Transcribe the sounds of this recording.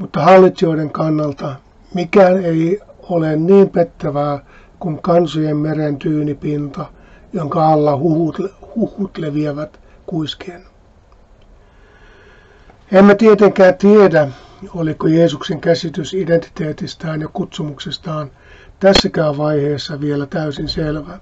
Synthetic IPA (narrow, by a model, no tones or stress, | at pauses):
mut̪ːɑhɑlːit̪sioideŋkɑnːɑlt̪ɑ | mikæːneiolenniːmpet̪ːæʋæː | kuŋkɑnsojemmerent̪yːnipint̪ɑ | joŋkɑɑlːɑhuhuthuhːut̪leʋieʋæt̪ | kuiskeːn | emːæt̪iet̪eŋkæːnt̪iedæ | olikojeːsukseŋkæsit̪ysident̪i̥t̪eːt̪ist̪æːnjɑkut̪sumuksest̪ɑːn | t̪æsːækæːʋʋɑiheːsːɑʋielæt̪æysinselʋæ